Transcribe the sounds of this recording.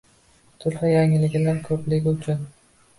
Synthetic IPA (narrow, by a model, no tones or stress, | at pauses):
t̪ʰʊlhajaŋɪlɪɡʲɪlaɾkʰɵplɪkʲut͡ʃʰad̪ɪ